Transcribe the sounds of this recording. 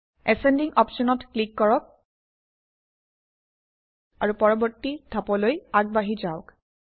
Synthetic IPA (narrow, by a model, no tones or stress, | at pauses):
ɛsɛndiŋɔpsɔnɔtklikːɔɹɔk̚ | a̰ɹupɔɹɔbɔɹtːidʱapɔlojaɡ̚baɦizaʊk